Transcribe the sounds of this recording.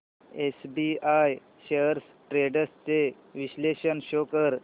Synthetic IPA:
esbiaj | ɕeəɾs | ʈɾeɖəst͡se | ʋiɕleɕənɕokəɾ

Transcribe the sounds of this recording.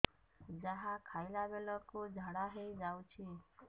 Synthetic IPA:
d͡ʒəɦãkʰajlabeləkod͡ʒʱaɽaɦejd͡ʒawt͡ʃʰi

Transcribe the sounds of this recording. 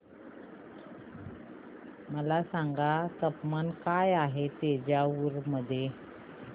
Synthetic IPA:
məlasaŋɡat̪əpmankajaɦet̪ed͡ʑjauɾməd̪ʱje

